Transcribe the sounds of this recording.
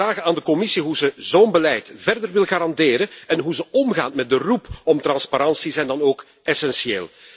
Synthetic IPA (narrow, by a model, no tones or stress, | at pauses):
aːɣənaːndəkɔmɪsiɦuzəzoːnbəlɛjtvɛrdərʋɪlˠɣaːɾɑndeːɾəɛnɦuzəɔmɣaːtmɛt̚dərupɔmtrɑnspaɾɑnsizɛjndɑnoːk | ɛsɛnsiḛːlˠ